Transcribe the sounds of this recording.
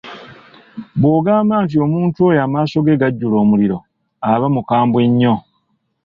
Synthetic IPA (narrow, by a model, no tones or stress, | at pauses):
bwo̞ːɡaːmaːntio̞ːmuːntuwoːjamaːso̞ɡe̞ɡaɟːulo̞ːmuliɾo̞ | aβamukaːmbwe̞ɲːo̞